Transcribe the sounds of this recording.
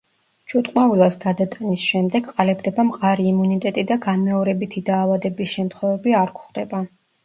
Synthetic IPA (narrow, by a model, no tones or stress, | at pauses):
t͡ʃʰut̪ʼqʼmavilˠasɡad̪at̪ʼanisʃɛmd̪ɛɡqʼalɛbd̪ɛbamqʼaɾiːmunit̪ʼɛt̪ʼid̪aɡanmɛɔɾɛbit̪ʰid̪aːvad̪ɛbisʃɛmt̪ʰχwɛvɛbiaɾkʰʷχd̪ɛba